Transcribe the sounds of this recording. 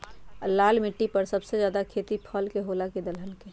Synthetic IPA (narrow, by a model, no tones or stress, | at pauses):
laːlmɪʈːipəɾsəbsed͡ʒjaːd̪akʰeːt̪ipʰəlkeɦolaked̪əlɦənke